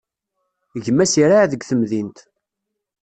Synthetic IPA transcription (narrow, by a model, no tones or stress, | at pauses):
ʝəmːæsiɾaʕðəɡʷθəmðint̪